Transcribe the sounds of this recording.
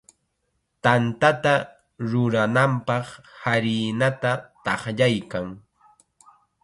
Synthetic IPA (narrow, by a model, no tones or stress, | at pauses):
t̪ant̪at̪a | ɾʊɾanampɑχhaɾɪːnat̪at̪ɑχʎajkaŋ